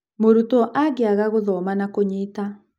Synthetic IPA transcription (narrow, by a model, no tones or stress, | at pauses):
moɾutɔʔaɡeaɣaɣoðɔmanakoɲeːta